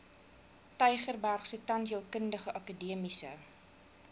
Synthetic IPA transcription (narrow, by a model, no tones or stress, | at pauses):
tœjχərbærχsətɐntiəlˠkəndəχəʔɐkədiəmisə